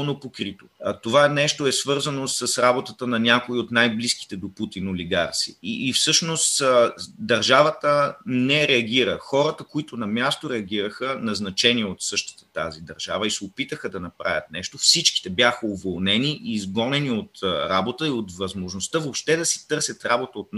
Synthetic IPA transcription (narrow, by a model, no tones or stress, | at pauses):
nopokɾit̪ot̪ovaɛnɛʃt̪oɛsvɤɾzɐnosəsɾabot̪ət̪ənɐnʲakoiot̪najbliski̥t̪ɛd̪oput̪inoliɡaɾt̪sḭːfsɤʃnost̪d̪ɐɾʒavət̪ənɛɾɛɐɡ̟ʲiɾə̰xɔɾət̪əkoit̪ʊnɐmʲjast̪oɾɛɐɡ̟ʲiɾəxənɐznɐt͡ʃɛniɛot̪sɤʃt̪i̥t̪ɛ̥t̪a̰zid̪ɐɾʒavəisɛopit̪əxəd̪ɐnɐpɾa̰vʲjʲɐ̰t̪̚nɛʃt̪ofsit͡ʃki̥t̪ɛbjaxəovolˠnɛniʔiːzɡɔnɛniot̪ɾabot̪əiot̪vɐzmoʒnost̪əvopʃt̪ɛd̪ɐsi̥t̪ɤɾsʲɐt̪ɾabot̪əot̪n